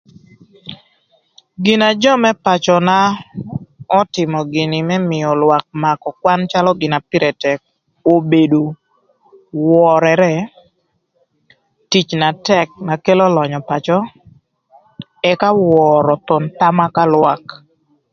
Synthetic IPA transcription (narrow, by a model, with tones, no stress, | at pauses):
ɡɪ˨na˨d͡ʒɔ˦mɛ˦pa˨t͡ʃɔ˨na˦ | ɔ˦tɪ˨mɔ˨ɡɪ˨nɪ˨mɛ˦mɪ˨ɔ˨lwa˨k̚ma˨kɔ˨kwa˦nt͡ʃa˦lɔ˦ɡɪ˨na˨pi˦ɾɛ˨tɛ˨k̚ | o˨be˨do˨ | wɔ˨ɾɛɾɛ˦ | ti˦t͡ʃna˨tɛ˦k̚na˨ke˦lɔ˦lɔ˨ɲɔ˨pa˨t͡ʃɔ˦ | ɛ˨ka˦wɔ˨ɾɔ˨t̪ɔ˨nt̪a˦ma˦ka˦lwa˨k